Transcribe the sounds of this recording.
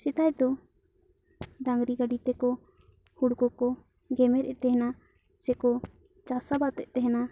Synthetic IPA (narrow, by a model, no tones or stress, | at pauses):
sɛt̪ajd̪ɔ | ɖaŋɡɾiɡaɖit̪ɛkɔ | huɽkɔkɔ | ɡɛmɛɾɛʔt̪ɛɦɛna | sɛkɔ | t͡ʃasabat̪ɛʔt̪ɛɦɛna